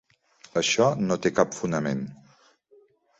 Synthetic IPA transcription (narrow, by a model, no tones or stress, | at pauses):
əʃɔnot̪ekapfunəmen